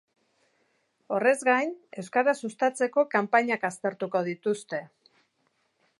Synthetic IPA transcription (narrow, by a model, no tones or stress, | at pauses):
o̞re̞zɡajne̞wskaɾasust̪at͡se̞ko̞kampaɲakast̪e̞ɾt̪uko̞ð̞it̪ust̪e̞